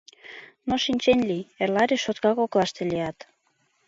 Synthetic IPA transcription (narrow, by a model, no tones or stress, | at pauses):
noʃinʲt͡ɕenʲlierlɑɾʲiʃot̪kɑkoklɑʃt̪elijɑt̪